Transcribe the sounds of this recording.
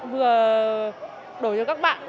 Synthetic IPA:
vɨ˨˩ə | ɗo˨˧˩jt͡ɕɔː˧˩kaː˦˥k̚ɓa̰ː˧˨n

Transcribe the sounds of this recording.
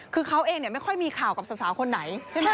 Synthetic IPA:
kʰɯː˧kʰa˦˥wʔeː˧ŋni˥˩ma˥˩jkʰɔ˥˩jmiː˧kʰaː˨˩wka˨˩p̚sa˧˩saː˩˦kʰo˧nːa˩˦jt͡ɕʰe˥˩˥

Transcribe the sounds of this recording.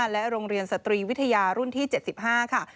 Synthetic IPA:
lɛ˦˥ɾoː˧ŋɾi˧ənsa˨˧˩t̪ɾiː˧wi˦˥t̪ʰːa˧jaː˧ɾu˥˩nt̪ʰiː˥˩t͡ɕe˨˩t̪̚si˨˩p̚ɦaː˥˩kʰa˥˩

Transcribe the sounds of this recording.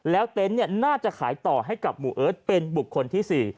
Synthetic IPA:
lɛː˦˥wt̪e˦˥nːi˥˩ɐnaː˥˩t͡ɕa˨˩kʰaː˩˦jt̪ɔː˨˩ɦa˥˩jka˨˩p̚muː˧ʔɤː˦˥t̪̚pe˧nbu˨˩kʰːo˧nt̪ʰiː˥˩siː˨˩

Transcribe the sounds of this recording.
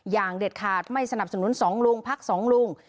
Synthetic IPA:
jaː˨˩ŋde˨˩t̪̚kʰaː˨˩t̪̚ma˥˩jsa˧na˨˩p̚sa˧nu˩˦˥nsɔː˩˦ŋlu˧ŋpʰa˦˥k̚sɔː˩˦ŋlu˧ŋ

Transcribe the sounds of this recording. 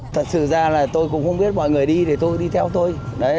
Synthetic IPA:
t̪ʰə˨˩t̚sɨ̰˧˨zaː˧laː˨˩t̪o˧jkʊ̰˧˥ŋ͡mxə˧wŋ͡mɓi˦˥ət̚mɔ̰˧˨jŋɨ˨˩əjɗi˧ɗe˨˩t̪o˧jɗi˧t̪ʰɛ˧wt̪o˧jnɔ˨˦

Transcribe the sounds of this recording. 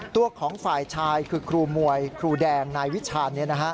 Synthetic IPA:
t̪u˧˩əkʰɔː˩˦ŋfaː˨˩jt͡ɕʰaː˧jkʰɯː˧kʰɾuː˧mu˨˩əjkʰɾuː˧dɛː˧ŋnaː˧jwi˦˥t͡ɕʰaː˧nːi˦˥˩ɐna˦˥kʰa˦˥ʔ

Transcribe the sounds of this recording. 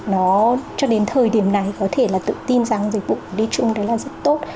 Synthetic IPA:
nɔ˨˦t͡ɕɔ˧ɗe˨˦nt̪ʰəː˨˩jɗi˧˩əmna˨˩jkɔ˨˦t̪ʰe˧˩laː˨˩t̪ɨ̰˧˨t̪i˧nzaː˨˩˦ŋzi˨˩k̟̚vṵ˧˨ku˧˩ɗi˧t͡ɕʊ˧ŋ͡mɗə˨˦jlaː˨˩zə˦˥t̚t̪o˦˥t̚

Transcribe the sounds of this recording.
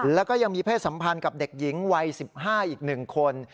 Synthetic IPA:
lɛː˦˥wkɔː˥˩ja˧ŋmiː˧pʰeː˥˩t̪̚sa˩˦mpʰa˧nka˨˩p̚de˨˩k̚ji˩˦ŋwa˧jsi˨˩p̚ɦaː˥˩ʔiː˨˩k̚nɯ˨˩ŋkʰo˧n

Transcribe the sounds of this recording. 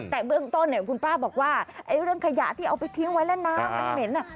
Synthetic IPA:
t̪ɛː˨˩bɯ˥˩əŋt̪o˥˨nːi˧˩˨kʰu˧npaː˥˩bɔː˨˩k̚waː˥˩ʔa˧˩jɾɯ˥˩əŋkʰa˧ja̰˨˩˦t̪ʰiː˥˩ʔa˧wpa˧jt̪ʰi˧˦ŋwa˨˦˥jlɛː˧˥˩naː˧˥mːa˧nme˨˦nʔa˧˩

